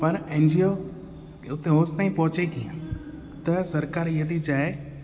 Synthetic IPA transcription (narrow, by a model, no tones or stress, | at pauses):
pɐɾẽːnd͡ʑio | ʊt̪eɦoːst̪aːĩpɐɦʊt͡ɕekijã | t̪ɐsɐɾkaːɾiɦət̪ʰit͡ɕaːe